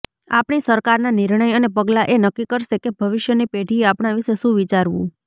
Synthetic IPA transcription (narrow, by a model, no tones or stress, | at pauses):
a̰pɳisəɾkaɾnanɪɾɳ̃əjənepəɡlaʔenəkːikəɾʃekebʱəʋɪʃjənipeʈieapɳaʋiʃeʃũʋit͡ʃaɾʋṵ̃